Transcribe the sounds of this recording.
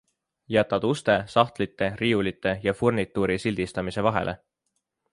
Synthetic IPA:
jæt̪ːˑɑd̪̥ust̪e̞sɑht̪lit̪ːe̞riːulit̪ːˑe̞jɑfurnit̪ːˑuɾisilʲd̪̥ist̪ɑmise̞vɑɦe̞̰lʔe

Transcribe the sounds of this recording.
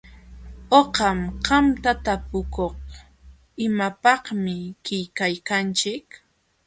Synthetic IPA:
oqɑmqɑmt̪at̪apʊkoχ | ɪmapɑhmɪkɪjkajkant͡ʃɪk

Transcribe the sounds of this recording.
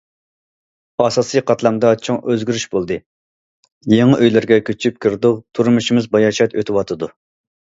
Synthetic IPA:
ɑsɑsɨqʰɑt̪lˠɑmd̪ɑt͡ʃʰoŋʔøzɡʲyɾyʃbolˠd̪ɨ | jeŋɨʔøjlɪɾɡʲɛkʲʰøt͡ʃʰyp̚kʲʰiɾd̪ʊqt̪ʰuɾmuʃimɪzbɑjɑʃɛt̪øt̪ʰɪwɑt̪ʰɨd̪u

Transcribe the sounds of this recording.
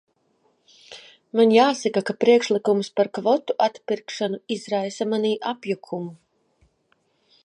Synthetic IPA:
manjaːsakakapɾiɛkʃlˠikumspaɾkvɔt̪uʔat̪piɾkʃanuizɾajsamaniːʔapjukʰumu

